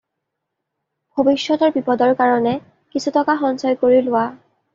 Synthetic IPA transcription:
bʱobisːɔtɔɹbipɔdɔɹkaɹɔnɛ | kisutɔkaxɔnsɔjkoɹilʊwa

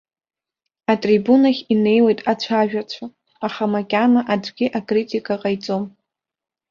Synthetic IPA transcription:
atʼribunaχʲine̞jwe̞jtʼat͡ɕʷʰaʒᶣat͡ɕʷʰa | aχamakʲʼanaʔad͡ʒɡʲɪʔakʼritʰʼikʼaqʼajt͡sʼo̞m

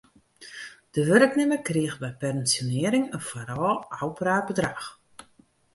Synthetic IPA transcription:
d̥əʋøɾəknɪməkriəxbɛjpɛrənsjonɪəɾɪŋənfaɾɔlˠawpəraːrbədrax

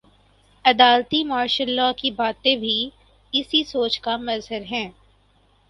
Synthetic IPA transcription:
ɐd̪aːlt̪imaːɾʃəlːakibaːt̪ẽbʱi | ɪsisoːt͡ʃkamɐzɦəɾɦɛ̃ː

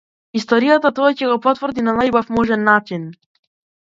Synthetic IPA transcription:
ist̪ɔɾijat̪at̪ɔacɛɡɔpɔt̪vr̩d̪inanajbafmɔʒɛnːat͡ʃin

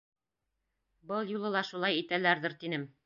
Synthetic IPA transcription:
bɤlˠjulˠɤ̆lˠɑʃulˠɑjit̪ælæɾðɘ̆ɾt̪inɘm

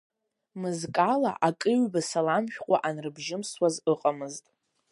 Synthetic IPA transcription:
mɨzkʼala̰ʔakʼɨɥbasalamʃᶣqʷʼaʔanrɨbʒɪmswazɨqʼamɨztʼ

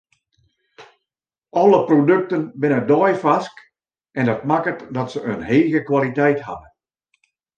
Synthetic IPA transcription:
ʔɔlˠəprodøk̚tənbɪnədɔjfask | ʔɛndɑtmakətdɔtsəʔənɦeːɣəkwalitɛjtha̰dən

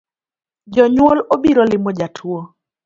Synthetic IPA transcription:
d͡ʒɔɲwolobiɾɔlɪmɔd͡ʒatʰwo

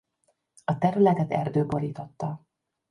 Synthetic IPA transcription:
ɒt̪ɛɾylɛt̪ɛt̪ɛ̰rd̪øːbo̞ɾiːt̪o̞t̪ːɒ

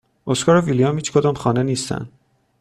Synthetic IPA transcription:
oskɒːɾevilijɑmhiːt͡ʃʰkʰod̪ɒːmxɒːneniːst̪æ̰n

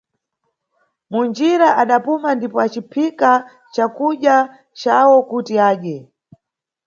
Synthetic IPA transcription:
mund͡ʒiɾaʔaɗapumandipɔat͡ʃipʰika | t͡ʃakuɗja | t͡ʃawɔkutiaːɗɛ

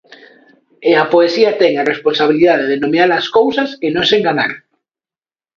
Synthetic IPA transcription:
eapoesiat̪ɛŋaresponsaβ̞iliðaðeðenomiaɾaskowsaskenõŋseŋɡaɲaɾ

